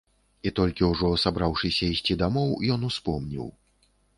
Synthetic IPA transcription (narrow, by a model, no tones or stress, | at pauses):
it̪ɔlʲkʲiwʐɔsabɾawʂɨsʲɐisʲt͡sʲid̪amɔwjɔnuspɔmnʲḭw